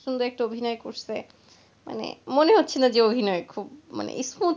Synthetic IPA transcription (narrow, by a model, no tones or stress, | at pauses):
ʃond̪oɛk̚ʈaobʱinɔekoɾse | ma̰nḛmoneɦotːɕʰenad͡ʑeobʱinɔekʰubma̰nḛʔismu